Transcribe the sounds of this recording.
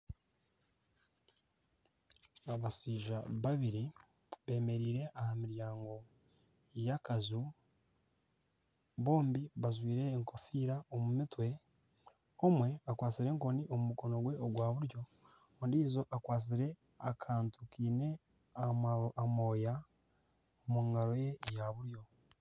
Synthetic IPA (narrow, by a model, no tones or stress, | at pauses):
aβasiːʒaβaβiɾi | βe̞ːme̞ɾiːɾe̞ʔahamiɾjaːŋɡo̞ | jakazu | βo̞ːmbiβazwiːɾe̞ːŋko̞fiːɾaomumitwe̞ | omwe̞akwaːt͡siɾe̞ŋko̞niʔo̞mumuko̞no̞ɡwe̞oɡwaːβuɾjo̞ | ondiːzo̞ʔakwaːt͡s̬iɾe̞ | akʰaːntukiːne̞ | amo̞ːja | omuŋɡaɾo̞je̞jaβuɾjo̞